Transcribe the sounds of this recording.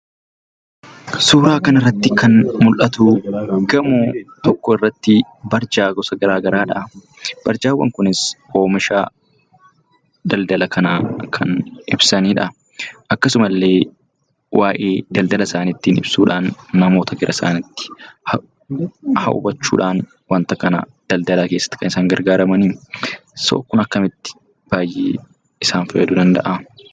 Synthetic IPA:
suːɾaːkɐnɪrːɐt̪ːɪkɐnmʊlʔɐt̪uɡɐmuːt̪ɔkːoɪrːɐt̪ːɪ | bɐɾd͡ʒaːɡɔsɐɡɐɾaːɡɐɾaːᶑɐ | b̥ɐɾd͡ʒaːwːɐ̰ŋkʊnɪsʔo̞ːmɪʃaː | d̪ɐld̪ɐlɐkʰɐnaːkʰɐnɪbsɐniːᶑɐ | ʔɐkːɐsʊmɐlːe̞ː | wʔaːʔeːd̪ɐld̪ɐlɐsaːnɪt̪ːiːnɪ̰b̥suːᶑaːnːɐmo̞ːt̪ɐɡɪɾʔɐsa̰ːnɪt̪ːɪ̥h | hɐ̰ʔʊ̰bɐt͡ʃːṵːᶑaːn | wɐnt̪ɐkɐnɐ̰ | d̪̥ɐld̪ɐlaːke̞ːsːɐ̥t̪ːɪ̥kɐnɪsaːŋɡɐɾɡaːɾɐmɐniːso̰ːkːʊnɐkːɐmɪt̪ːɪ̥ | b̥aːjːeː | ɪsaːnfɐjɛd̪ʊd̪ɐnd̪ɐ̰ʔɐ

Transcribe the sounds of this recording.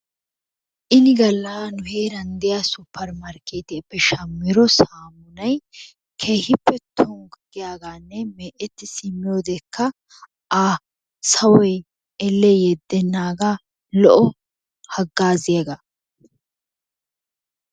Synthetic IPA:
ʔɪnɪɡɐlːaːnʊheːɾɐnd̪ɪjaːsʊpːɐɾmɐɾkeːt̪ɪːpːɛʃɐmːɪɾɔsaːmʊnɐj | kʰeːhɪpːɛt̪ʰɔŋɡɡɪjaːɡaːnːɛmeːʔɛt̪ːɪsɪmːɪjo̞ːd̪ekːɐ | a | sɐwɔj | ɛlːejɛd̪ːɛnːaːɡaː | lɔʔɔ | hɐɡːaːzɪjaɡa

